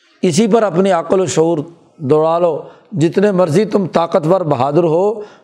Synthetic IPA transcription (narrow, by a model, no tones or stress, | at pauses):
ɪs̬iːp̬əɾəpniaːqəloːʃoːɾ | d̪oːɽaːloː | d͡ʒɪt̪neːməɾziːt̪ʊmt̪aːqət̪ʋəɾbəɦaːd̪əɾɦoː